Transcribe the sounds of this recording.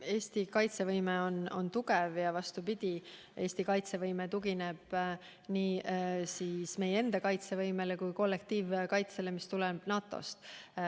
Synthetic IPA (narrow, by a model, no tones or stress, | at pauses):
e̞ːst̪ikɑjt̪se̞vɤjmeo̞no̞̰nt̪uɡevjɑvɑst̪upid̪̥ʲi | ʔe̞ːst̪ikɑjt̪se̞vɤjmet̪uɡine̞b̥ | niːsiːsme̞jee̞nd̪̥ɑkɑjt̪se̞vɤjme̞lekujko̞lːe̞k̚t̪iːvkɑjt̪se̞le̞mist̪ulenɑːt̪ːˑo̞̰st̪